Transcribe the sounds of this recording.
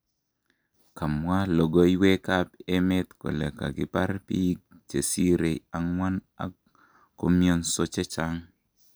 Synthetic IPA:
ka˨mwa˦lo˨ɡo˦jwe˦ka˦pe˦mɛ˦t̪ko̰˨le˨ka̰˨ɡɪ˦pa̰˦ɾpi˦k̚t͡ʃe˨si˦ɾe˨a˨ŋwa˦na̰˦k | ko̰˦mjo˦nso˦t͡ʃe˦t͡ʃa˦ŋ

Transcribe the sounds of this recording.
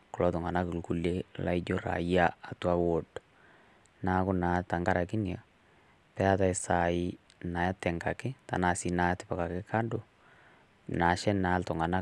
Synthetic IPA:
kʊ˨lɔ˨˦tʊ˨ŋa˨na˦kɪ˨lku˦le˦la̰˦i˦d͡ʒo˦ɾa̰˨ja˦a˨twa˦wo˨d | na˦kʊ˦na˨˦ta˨ŋɡa˦ɾa˨kɪ˦nja˨ | pɛ˦a˦ta˨ɪ˨sa˨ɪ˦ | na˨ja˦tɛ˨ŋɡa˨kɪ˦ta̰˨na˨si˦na˨˦tɪ˦pa˨ka˨kɪ˦kʰa˦dʊ˨ | na˨ʃɛ˦na˨˦ltʊ˨ŋa˨na˦

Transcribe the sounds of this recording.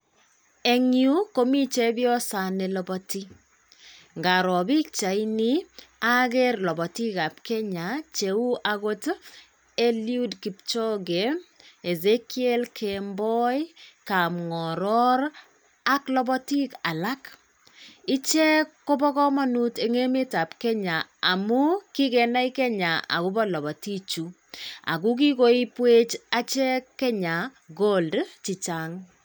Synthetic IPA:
e˨ŋju˦ko˦mi˦t͡ʃɛ˦bjɔ˦sa˨ne˨lɔbɔti˦ | ŋɡa˨ɾɔ˨bi˦k̚t͡ʃa˨ini˦a˦ɡɛ˦rlɔ˨bɔ˨ti˦ka˨p̚kɛ˦ɲa˨t͡ʃe˨u˦ʔaɣo˦t | e˦lju˦dki˨p̚t͡ʃɔ˦ɡe˨e˨ze˦kie˦lkʰembɔ˦jka˨mŋɔ˨ɾɔ˦ɾ | a˦klɔ˦bɔ˦ti˦ka˨la˦k | i˦t͡ʃɛ˦kːo˦bɔ˦kɔ˦ma˦nu˦te˦ŋe˦me˦ta˨pkɛ˦ɲa˨a̰˨mu˦ki˦kɛ˨na˦i˦kɛ˦ɲa˨a̰˨ku˦bɔ˦lɔ˨bɔ˨ti˦t͡ʃu˨ | a̰˨k̬u˦k̬i˦ko˦i˦pwe˦t͡ʃa˦t͡ʃɛ˦kkːɛ˦ɲa˨ɡo˦ldt͡ʃi˨t͡ʃa˦ŋ

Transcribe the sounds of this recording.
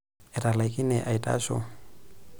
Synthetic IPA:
ɪ˨ra˨la˨ikʼɪ˦nɛʔa˨itʼa̰ː˦ʃɔ̰˦

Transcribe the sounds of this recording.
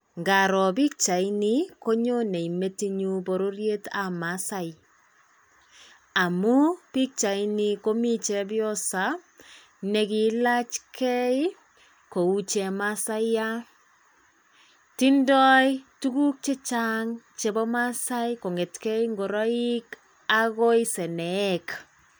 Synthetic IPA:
ŋɡa˨ɾɔ˨bi˦k̚t͡ʃa˨i˦ni˦ko˦ɲo˦ne˨i˨me˦ti˦ɲu˦bo˨ɾo˦rje˦ta˨ma˨˦sa˦j | a˨mu˦pi˦k̚t͡ʃa˨i˦ni˦ko˦mi˦t͡ʃɛ˦bjɔ˦sa˦ | nɛ˨ki˨la˦t͡ʃkʰɛ˦j | ko˨u˦t͡ʃɛ˨ma˦sa˦jja˦ | ti˦ndɔ˦jtu˦ku˦k̚t͡ʃe˦t͡ʃaŋt͡ʃe˨bɔ˦ma˦sa˦jko˨ŋe˨tkɛ˦jŋɡo˨ɾɔ˦i˦k | a˦ɣo˦jsɛ˨nɛː˨˦k

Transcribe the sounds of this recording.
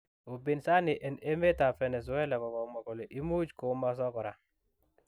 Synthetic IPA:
u˨bi˨nsa˦ni˨ʔɛ˨ne˦me˦ta˨fɛ˨nɛ˨s̬ɔ˦wɛ˦la˨kɔ˨kɔ˨mɔ˨kɔ˨le˨ʔi˦mu˦d͡ʒko˨˦ma˨s̬ɔ˦kɔ˨ɾa˨

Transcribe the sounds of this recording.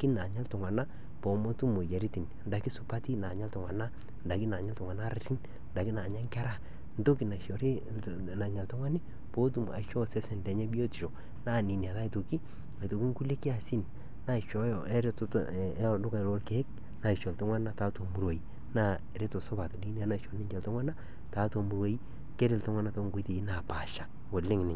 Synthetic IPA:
ki˦na˨ɲa˦ltʊ˨ŋwa˨na˦ | po˨mo˦tu˦mo˨je˨ɾi˦ti˨n | nda˨ki˦sʊ˨pa˦ti˦na˨ɲa˦ltʊ˨ŋʷwa˨na˦ | nda˨ki˦na˨ɲa˦ltʊ˨ŋa˨na˦ɾa˨ɾi˦n | nda˨kɪ˦na˨ɲa˦ŋka˦ɾa˦˨ | nto˦ki˨na˨ʃɔ˨ɾi˦ | na˨ɲa˨ltɔ˦ŋa˦ni˦ | po˦t̬u˦˨ma̰˨ʃɔ˦sɛ˦sɛ˨ndɛ˨ɲɛ˦bi˦o˦ti˨ʃɔ˨ | na˦˨ni˨ni˨a˨ta˦i˨to˨ki˦ | a˨to˨ki˦ŋku˦le˦ki˦a˨si˦n | na˦˨ʃɔ˨˦jɔ˨ɛ˦ɾe˦ttdʊ˦ka˨lo˦lke˨˦e˦k̚ | na˨ɪ˨ʃɔ˨to˦ŋʷwa˦nna˦ta˦to˨mu˨ɾwo˨i˨ | na˦˨ɾe˦to˨sʊ˦ba˨to˨di˦ni˦a˨na˦˨ʃɔ˨nɪ˦ɲd͡ʒɛ˨lto˦ŋʷwa˦na˦ | ta˨˦to˨mu˨ɾwo˦ji˦ | ke˦ɾɪ˨ltɔ˦ŋwa˦na˦to˦ŋɡo˦te˨i˦na˨pa˨ʃa˨ | wo˨lɪ˦ŋ˨nɪ˨

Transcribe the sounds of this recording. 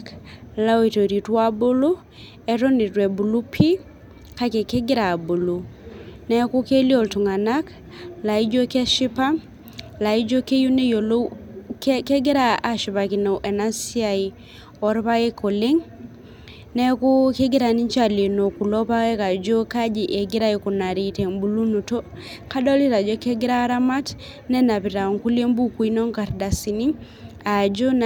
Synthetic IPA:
kla˦wi˨to˨ɾi˨twa˦bo˦lo˦ | ɛ˨ɾo˦ni˨twɛ˨bu˨lu˦pʰi˦ | ka˦kɛ˨ke˦ɡɪ˦ɾa˨bo˨lo˨nɛ˦ku˦ke˦li˦o˨ltu˨ŋa˨na˦k | la˨i˦d͡ʒo˦kɛ˦ʃɪ˦pa˦ | la˨i˦d͡ʒo˦ke˦ju˦ne˦jo˨lo˦kke˦ɡɪ˦ɾa˦a˨ʃi˨βa˨ki˨no˨ʔɛ˨na˦si˦a˨i | ɔ˦ɾpa˦ɡe˦ko˨le˦ŋ | nɛ˦ku˦ke˦ɡi˦ɾa˨ni˦ɲt͡ʃa˦le˨no˨ku˨lɔ˦pa˦wɛ˦ka˨d͡ʒo˦ka˦d͡ʒi˨ʔe˨ɡi˦ɾa˦iku˨na˨ɾi˨tɛ˨ŋbu˨lu˦nu˨to˦ | ka˦dɔ˦li˦ɾa˨d͡ʒɔ˦kɛ˦ɡi˦ɾa˦ɾa˦ma˦t | nɛ˦na˨pi˨ɾa˨ŋku˦le˦mbu˦ku˨i˦nɔ˦ŋka˨ɾda˨si˨ni˦ | a˨d͡ʒo˦n

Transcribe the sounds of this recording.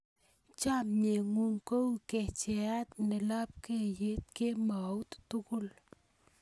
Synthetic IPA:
t͡ʃa˦mɲe˨ŋu˦˨ŋko˦wke˨t͡ʃe˨a˦t̪ne˨la˦p̚ke˦˨je˦t̪̚ke˦ma˨wt̪tu˦kʊ˦l

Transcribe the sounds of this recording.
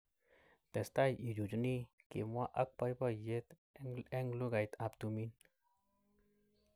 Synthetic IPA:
t̪ɛ˨st̪a˦ji˨d͡ʒu˨d͡ʒni˦kḛ˨mwa˦ʔɐ˦k̚pa˧jpa˦je˦t̪ | e˦ŋɡlu˦ɡa˨jt̪a˨pt̪u˧mi˦n

